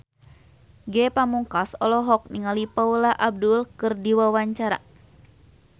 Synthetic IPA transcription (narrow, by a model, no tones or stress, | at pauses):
ɡɛpamuŋkasɔlɔɦɔk̚niŋalipaulaʔab̚dulkɨrdiwawaɲt͡ʃaɾa̰